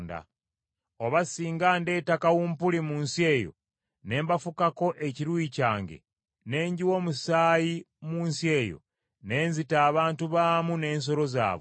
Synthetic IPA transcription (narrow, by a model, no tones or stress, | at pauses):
nda̰ | oβasiːŋɡaːnde̞ːtakawuːmpulimuːnsie̞ːjo̞̰ | ne̞ːmbafukako̞ʔe̞ciɾwiːcaːŋɡḛ | ne̞ːɲɟiwo̞ːmusaːji | muːnsie̞ːjo̰ | ne̞ːnzitaːβaːntuβaːmune̞ːns̬o̞ɾo̞za̰ːβo